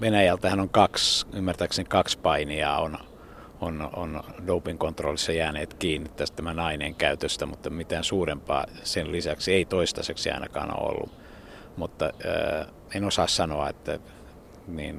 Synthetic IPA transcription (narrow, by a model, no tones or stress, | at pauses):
ʋenæjælt̪æhænoŋkɑksymːært̪æːksenkɑkspɑiniɑ̰ːon | ono̰ndoupiŋkont̪ro̰lːisːɑjæːneːt̪kiːnːit̪t̪æst̪æmænɑinḛːŋkæyt̪øst̪æmut̪ːɑmit̪æːnsuːrempɑ̰ː | sellisæksieit̪oist̪ɑseksiɑ̰inɑ̰kɑ̰ːno̰o̰lːṵ | mut̪ːɑ̰ː | enosɑːssɑnoɑ̰ḛt̪ːæ | niːn